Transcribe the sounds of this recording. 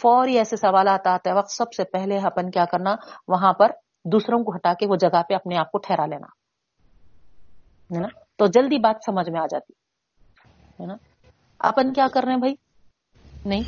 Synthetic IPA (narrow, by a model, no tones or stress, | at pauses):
fɔːɾiɛːsesɐʋaːlaːt̪aɦt̪ɦɛʋɐq̚t̪sɐbsepɛɦleɐpənkjaːkɐɾnaʋɐɦãpɐɾ | d̪uːsɾõkoɦɐʈaːkeʋod͡ʒɐɡapeɐpneaːp̚koʈʰɛːɾaleːna̰ː | ɦɛnaː | t̪od͡ʒɐld̪ibaːt̪sɐməd͡ʒʱmẽaːd͡ʒa̰ːt̪i̥ | ɦɛnaː | ɐ̰pənkjaːkɐɾːeẽbʱai | nɐɦĩ